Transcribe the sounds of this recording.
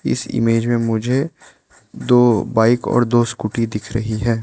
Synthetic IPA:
ɪ̰sɪ̰meːd͡ʒmẽmʊd͡ʒʱe | d̪oːbaːɪkɔ̰ːɾd̪oːskuʈid̪ɪkʰɾɐɦiɦɛː

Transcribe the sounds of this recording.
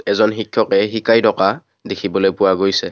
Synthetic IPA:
ɛzɔnɦikʰjɔkɛɦikajdɔka | dekʰibɔlojpʊwaɡojsɛ

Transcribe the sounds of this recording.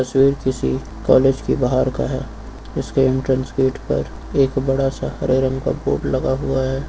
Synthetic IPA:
t̪ɐswiːɾkɪsḭ | kɔːleːd͡ʒkibaɦaɾka̰ɦɛ̰ː | ɪskeɪ̃mʈɾə̃nskeːʈpɐ̰ɾ | eːkbɐɽasahɐɾʔeɾə̃ŋka̰bo̰ːʈlɐɡaɦuaɦɛː

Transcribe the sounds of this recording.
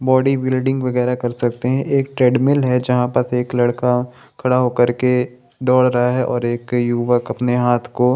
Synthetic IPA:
bɔːɖibɪːlɖɪ̃ŋɡʋɐɣɛːɾakɐɾsɐk̚t̪eɦɛ̃ʔeːk̚ʈɾɛːɖmɪlɦɛd͡ʒɐɦãpɐseːklɐɽka | kʰɐɽaɦokɐɾke | d̪ɔːɽɾɐɦaɦɛʔɔːɾeːkjuːʋəkɐpneɦaːt̪ʰko

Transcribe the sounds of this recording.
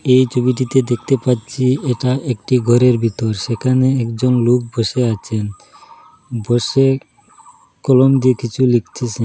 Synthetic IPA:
ejt͡ɕʰobiʈit̪ed̪ek̚ʰt̪epatːt͡ɕʰieʈaʔekʈiɡʱɔɾeɾbʱit̪oɾʃekʰaneɛkd͡ʑonlok̚bʱoʃeat͡ɕʰen | boʃe | kɔlomd̪iekit͡ɕʰulik̚t͡ɕʰit͡ɕʰe

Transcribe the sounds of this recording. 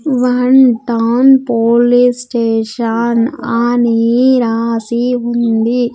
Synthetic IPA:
ʋɐnʈawnpoːlisʈeːʃanaːneɾaːsiɦund̪i

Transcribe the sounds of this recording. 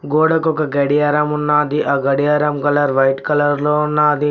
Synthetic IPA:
ɡoːɽɐkɔkɐɡɐɽijɐɾɐmunːaːd̪iʔaːɡɐɽijɐɾɐmkɐlɐɾʋɐjʈkɐlɐɾloːunːaːd̪i

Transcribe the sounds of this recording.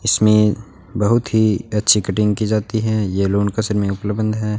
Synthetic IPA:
ɪsmẽ | bɐɦʊt̪ɦiɐtːʃʰikɐʈɪ̃ŋɡ̚kid͡ʒaːt̪iɦɛjeloːnkɐsəɾmẽʊpləbə̃nd̪ʱɦɛː

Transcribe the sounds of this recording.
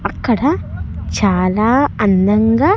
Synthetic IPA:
ɐkːɐɽɐt͡ɕaːlaɐnːɐŋɡɐ

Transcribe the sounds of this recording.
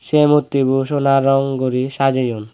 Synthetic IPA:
ʃemut̪ːibuʃonaɾɔŋɡoɾiʃad͡ʑejun

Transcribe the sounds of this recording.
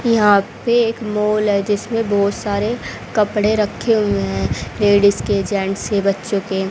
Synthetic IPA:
jɐɦãpeːkmɔːlɦɛd͡ʒɪsmẽbɔːt̪saːɾe | kɐpɽeɾɐkʰːeɦuẽɦɦɛ̃leːɽɪsked͡ʒɛ̃ɳʈsebɐtːʃõke

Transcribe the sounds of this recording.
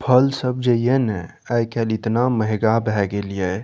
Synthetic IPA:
pʰəlsəb̚d͡ʒəjenɛ | əjkʰɛlit̪naməɦɡabɛɡelijɛ

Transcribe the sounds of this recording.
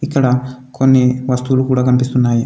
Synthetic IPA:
ikːɐɽɐkonːiʋɐst̪ulukuːɽaɡɐmpist̪unːaːji

